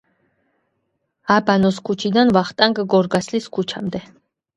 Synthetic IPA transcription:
abanɔskʰut͡ʃʰid̪anvaχt̪ʼaŋɡɡɔɾɡasliskʰut͡ʃʰa̰md̪ɛ

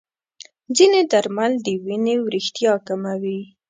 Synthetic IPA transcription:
d͡zined̪aɾmald̪əwinewɾixt̪jɑkamawi

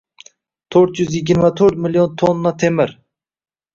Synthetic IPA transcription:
t̪ʰøɾt̪jyzjiɡʲiɾmɛt̪ʰøɾt̪̚milijont̪ʰonːɑt̪ʰemɪɾ

